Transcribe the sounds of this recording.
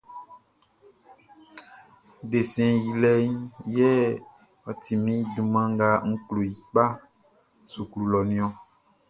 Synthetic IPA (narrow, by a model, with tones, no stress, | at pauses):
de˨sɛ̃˨ji˨lɛ˦ɲĩ˦jɛ˦ | ɔ˨t̪ʰi˨mĩ˦du˨mã˦ŋ˦ɡa˦ŋ̩˦klo˨ji˨k͡pa˦ | su˨klu˨lɔ˨nĩ˦ɔ̃˦